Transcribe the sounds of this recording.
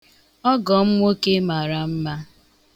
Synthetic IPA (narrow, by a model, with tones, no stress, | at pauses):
ɔ˦ɡɔ˨m̩˦ŋʷo˦ke˦ma˨ɾa˨m̩˦ma˦